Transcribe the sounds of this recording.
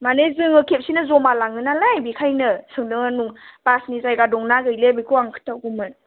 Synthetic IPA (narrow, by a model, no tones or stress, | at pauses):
manezɯŋɯkʰep̚sinɯzɔmalaŋɯnalajbikʰajnɯsɯŋdɯŋanuŋpasnizajɡadɔŋnaɡɯjlebikʰuaŋkʰɯ̥tawɡumɯn